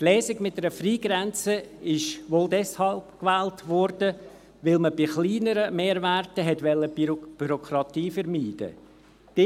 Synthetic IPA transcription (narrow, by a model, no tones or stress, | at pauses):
tlɛːsɪɡmɪt̚dɛɾəfriːɡɾɛnt͡səɪʃʋoːldɛshɑlpkʋɛːltʋɔɾd̥ə | ʋɪlməb̥ɪχliːnəɾəmeːɾvæɾtəɦɛtʋɛlːəb̥yɾokʰɾɑtiːfəɾmiːd̥ə̰ | d̥ɪ